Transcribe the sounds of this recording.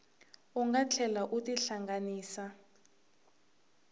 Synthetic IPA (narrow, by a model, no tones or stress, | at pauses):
uŋɡat͡ɬʰɛlaʔutiɬaŋɡaniːsa